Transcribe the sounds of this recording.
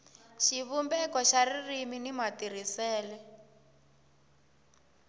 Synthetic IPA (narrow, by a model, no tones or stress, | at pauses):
ʃiβumbɛkɔʃaririminimatiɾisɛːlɛ